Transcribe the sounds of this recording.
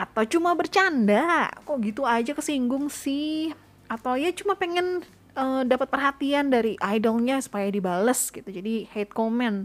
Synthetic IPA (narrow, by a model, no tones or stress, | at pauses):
ʔat̪awt͡ʃumabərt͡ʃandakɔɡit̪uad͡ʒakəsiŋɡʊŋsɪ | at̪awjat͡ʃumapeŋɛn | ədapat̪̚pərɦat̪iandaɾiʔajdɔlɲasu̥pajadibaləsɡit̪ud͡ʒadihet̪̚komɛn